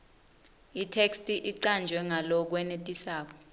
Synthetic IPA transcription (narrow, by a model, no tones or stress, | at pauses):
itʰekstʼiʔiǀand͡ʒʱwɛŋalɔk̬wɛnetʼisaːk̬ɔ̥